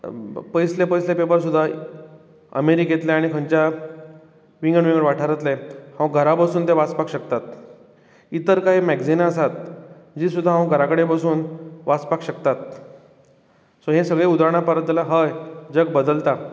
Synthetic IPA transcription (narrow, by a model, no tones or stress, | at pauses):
pəjslepəjslepepəɾsud̪ʱːa | ə̰meɾiɡʱet̪leaɽ̃ikʰənt͡ɕja | ʋiŋɡəɳʋĩŋɡəɳʋaʈʰaɾət̪lehãʋɡʱəɾapasuːnt̪eʋat͡spakɕəkt̪at̪ | it̪əɾkaɦimɛɡd͡zinaəsat̪̚d͡ʑiːsud̪ʱːaɦãʋɡʱəɾakəɽepasuːnʋat͡spakɕəkt̪at̪ | soɦẽsəɡɭeud̪aɾɳ̃apəɾət̪ːlaɦəjd͡zəɡ̚bəd̪əlt̪a